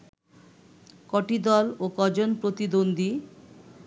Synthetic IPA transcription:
kɔʈid̪ɔlokɔd͡ʑonpɾot̪id̪ond̪ʱi

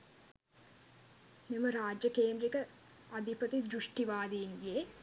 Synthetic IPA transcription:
nimɐɾaːd͡ʒjɐkeːnd̪ɾikɐ | ɐd̪ʱipɐt̪id͡ʒ̪ɾuʂʈiʋaːd̪ijinɡije

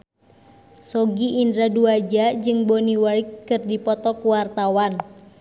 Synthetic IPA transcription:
sɔɡiʔindɾaduad͡ʒad͡ʒɨŋboniwaikːɨrdipɔt̪ɔkuwart̪awan

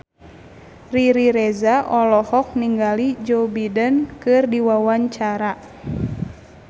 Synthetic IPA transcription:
riɾiɾɛzaʔɔlɔhɔk̚niŋɡalid͡ʒobidənkɨrdiwawaɲt͡ʃaɾa

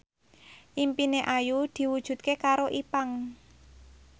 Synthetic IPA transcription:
ʔimpineʔajud̪̥i̤wud̥ʒ̥ṳt̪̚kekaɾoʔipaŋ

